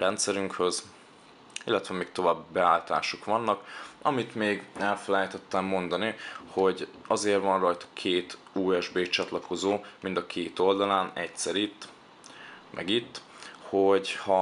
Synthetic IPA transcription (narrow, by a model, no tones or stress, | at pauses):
rɛnt̪sɛɾyŋkhøz | ilːɛt̪ʋɛmiːk̚t̪o̞vaːbibɛaːlt̪a̰ːʃokʋɒnːɒkɒ̰mit̪meːɡɛlfɛlɛjt̪ɛt̪ːɛmːo̞nd̪ɒniho̞ɟɒzeːrvɒnrɒjt̪ɒ̥kʰeːt̪ | uːɛʒbeːt͡ʃɒt̪lɒko̞zoːmind̪ɒkʰeːt̪o̞ld̪ɒlaːnɛcsɛɾit̪ | mʔɛ̰ɡit̪ː | ho̞ɟhɒ